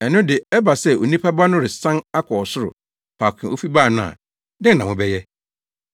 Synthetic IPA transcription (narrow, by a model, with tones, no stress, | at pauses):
ɛ˨nʊ̃˦dɪ˨ɛ˦ba˨sɛ˦o˨nĩ˦pʰa˦ba˦nʊ̃˦ɾɪ˨sã˦na˦kʰɔ˨ɔ˨sʊ˦ɾʊ̰˨ | pʰa˨kʰɪ̃˨ʔo˦fi˦ba˦˨nʊ̃˦a̰˨ | dɪ̃˦nã˨mʊ̃˨bɛ˦jɛ˦